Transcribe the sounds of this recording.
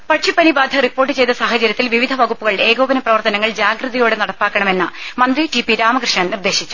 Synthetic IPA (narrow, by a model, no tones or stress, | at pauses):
pɐʈʂipːɐnibaːd̪ʱɐripːo̞ːrʈːɨt͡ɕe̞jt̪ːɐsaːɦɐt͡ɕɐɾjɐt̪ːilʋiʋid̪ʱɐʋɐɣupːuɣɐɭe̞ːɡo̞ːbɐnɐprɐʋɐrt̪ɐnɐŋːɐɭd͡ʑaːɡrɨðɐjoːɽenɐɽɐpːaːkːɐɳɐme̞nːɨmɐnd̪ritipːiɾaːmɐkrɨʂɳɐɳnird̪e̞ːɕit͡ɕːu̥